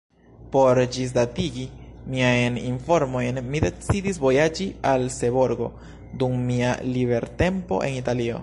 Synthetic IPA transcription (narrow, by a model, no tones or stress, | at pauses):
po̞ɾd͡ʒis̬datiɡimiajninfo̞ɾmo̞jnmide̞t͡sidisvo̞jad͡ʒialse̞βo̞ɾɡo̞̰ | dumːialiβe̞ɾte̞mpo̞̰ʔe̞̰nitalio̞̰